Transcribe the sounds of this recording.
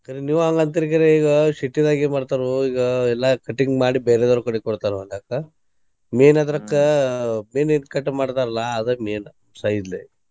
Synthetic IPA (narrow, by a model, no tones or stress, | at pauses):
kɐɾiniːʋuɐŋɡɐnt̪iɾik̬iɾeiːɡɐʃiʈːid̪aːɡemaːɖt̪aːɾuiːɡɐɛlːɐkɐʈːiŋɡmaːɽibeːɾed̪ɐɾukɐɽikɔɽt̪aːɾuɐlakːɐ | meːnɐd̪ɐɾɐkːɐmeːninkɐʈːmaːɽt̪aːɾɐlɐːd̪emeːn | sɐjd̪le